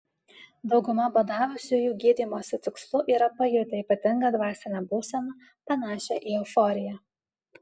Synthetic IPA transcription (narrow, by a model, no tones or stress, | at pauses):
d̪ɒʊɡʊmɐboːd̪ɑːʋʊsʲujuːɡʲiːd̪ʲimoːsʲɪt̪ʲɪkslˠʊʔiːɾɐpɐjʊɾʲt̪ʲɐiːpɐt̪ʲɪŋɡɐd̪ʋɑːsʲɪnʲɛbuːsʲɛmɐ | pɐnɑːʃʲɛʔiːɛʊfɔɾʲɪjɛ